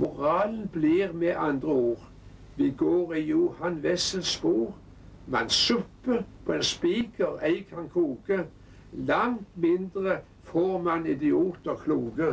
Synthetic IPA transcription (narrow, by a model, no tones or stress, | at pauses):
mʊʁɑːln̩bliʁmeʔand̪ʁəuːʁ | ʋɪɡoːʁijuːhanʋɛsəlsb̥uːʁ | mansʉpːəpʰɔenspiːkəʁæɪkɑnkʰuːɡə | lɑŋt̪mɪnd̪ʁə | foːʁmanɪd̪ɪuːt̪ɔkʰluːɡə